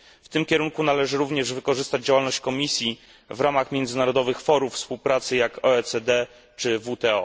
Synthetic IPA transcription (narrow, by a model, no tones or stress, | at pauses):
ft̪ɘmkʲɛɾuŋkunalɛʐɘɾuvɲɛʐvɘkɔʐɘst̪ad͡ʑd͡ʑawalnɔɕt͡ɕkɔmʲisʲji | vɾamaxmʲjɛnd̪zɘnaɾɔd̪ɔvɘxfɔɾuffspuwpɾat̪sɘjakɔɛtsɛd̪ɛ | t͡ʂɘvut̪ɛɔ